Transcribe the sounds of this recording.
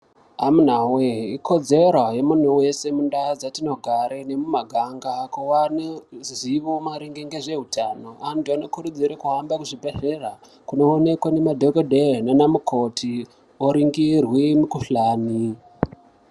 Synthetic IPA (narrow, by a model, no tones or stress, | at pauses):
ɦamun̤aweikʰo̞d͡ze̞ɾoje̞mun̤uwe̞se̞mundad͡zatino̞ɡʱaɾene̞mumaɡʱaŋɡakuwaneziʋomaɾiŋɡeŋɡe̞ʐe̞ɦutʰano̞antuano̞kuɾud͡ziɾekuɦambakuʐibʱe̞ɮera | kuno̞ːne̞kwane̞madʱokodʱenanamukʰo̞tʰi | oɾiŋɡirwimukuɬaːni